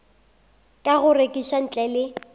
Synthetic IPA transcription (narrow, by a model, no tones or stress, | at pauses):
kʼaɣʊrekʼiʃan̩t͡ɬʼɛlɪ